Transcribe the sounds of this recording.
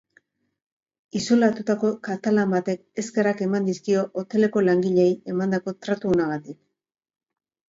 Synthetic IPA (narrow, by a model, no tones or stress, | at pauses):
isolat̪ut̪ako̞kat̪alambat̪e̞ke̞skerake̞mand̪iskio̞ʔot̪e̞le̞ko̞laŋɡiʎeje̞mand̪ako̞t̪ɾat̪uːnaɣ̞at̪ik